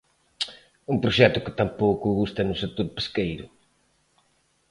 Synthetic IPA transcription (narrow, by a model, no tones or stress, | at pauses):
umpɾʊʃɛt̪ʊkɪ̥t̪ampowkʊɣust̪ɐnʊset̪ːoɾpe̥skejɾʊ̰